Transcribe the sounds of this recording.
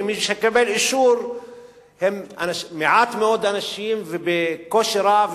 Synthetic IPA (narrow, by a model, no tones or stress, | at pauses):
miʃhakːabelʔɪʃuːɾ | hemʔanamɪʕat̪mɪʔoːd̪ʔanaʃiːmvbekoʃɾav